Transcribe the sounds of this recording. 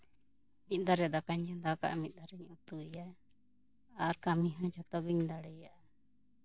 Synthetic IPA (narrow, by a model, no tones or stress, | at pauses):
mit̪̚ˀd̪aɾɛd̪akaɲd͡ʒɛ̃d̪aka̰ʔmit̪̚ˀd̪aɾɛɲut̪uja | aɾkamiɦɔ̃t͡ʃɔt̪ɔɡɯɲd̪aɽɛjaʔa